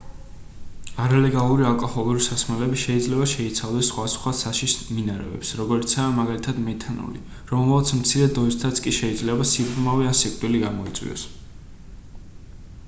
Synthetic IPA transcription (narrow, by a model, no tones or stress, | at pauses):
aɾalɛɡalˠuɾialˠkʼɔhɔlˠuɾisasmɛlɛbiʃɛid̪zlɛbaʃɛit̪sʰavd̪ɛsːχwasχwasaʃisminaɾɛ̰vɛ̰psɾɔɡɔɾit̪sʰaːmaɡalit̪ʰad̪mɛt̪ʰanṵlḭ | ɾɔmlat̪sʰmt̪sʰiɾɛd̪ɔist̪ʰat̪sʰkʼiʃɛid̪zlɛbasiɾd̪maviansikʼt̪ʼwiliɡamɔit̪sʼwḭɔ̰s